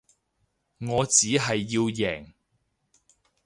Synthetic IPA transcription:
ŋɔː˨˧t͡siː˨˥ɦɐ˨jːiː˧wjɛː˨˩ŋ

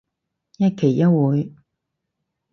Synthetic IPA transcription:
jɐ˥kʰe˨˩jjɐ˥wuː˨˧j

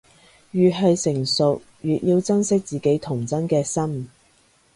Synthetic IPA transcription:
jyː˨˩ɦɵ˧jsɪ˨˩ŋsʊ˨k̚ | jyː˨t̚jiː˧wt͡sɐ˥nsɪ˥k̚t͡siː˨ke˨˥jt̪ʰʊ˨˩ŋt͡sɐ˥nkɛː˧sɐ˥m

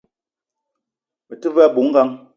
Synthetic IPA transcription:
mə˨tɨ˦va˦˨bu˨˦ŋ̩˦ɡa˦ŋ

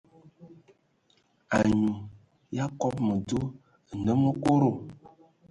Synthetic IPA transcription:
a˨ɲũ˨ | ja˦kɔ˦pmə˨do˦˨ | nə˦mə˦ko˦ɾo˦˨

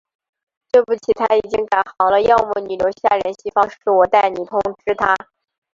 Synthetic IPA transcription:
t̪we˥˧ɪpu˥˩t͡ɕʰi˨˩t̪ʰa˥i˨˩t͡ɕi˥ŋka˨˩nxɑ˧˥ʊlə˧jɑ˥˧ʊmu˥˩ny˨˩jo˧˥ʊɕja̰˥˩ɻə˧˥nɕi˥˩fɑ˥ŋʂɻ̩˥˩wɔ˨˩t̪a˥˩ɪni˨˩t̪ʰʊ˥ŋʈ͡ʂɻ̩˥t̪ʰa˥

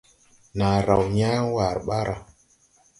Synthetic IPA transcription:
na˨ɾa˨wɲa˦wa˨ɾɓa˦ɾa˨

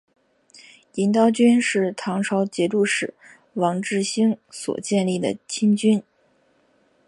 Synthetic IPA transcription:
i˧˥nt̪ɑ˥ʊt͡ɕy˥nʂɻ̩˥˩t̪ʰɑ˧˥ŋʈ͡ʂʰɑ˧˥ʊt͡ɕjɛ˧˥ʈ͡ʂu˥˩ʂɻ̩˨˩˦ | wɑ˧˥ŋʈ͡ʂɻ̩˥˩ɕi˥ŋswɔ̰˨˩t͡ɕjɛ˥˧nli˥˩d̪ə̰˩t͡ɕʰi˥nŋt͡ɕy˥n

